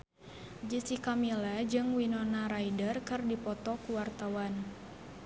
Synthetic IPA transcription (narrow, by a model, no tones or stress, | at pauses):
d͡ʒisikamilad͡ʒɨŋwinɔnaɾaidərkɨrdipɔt̪ɔkuwart̪awan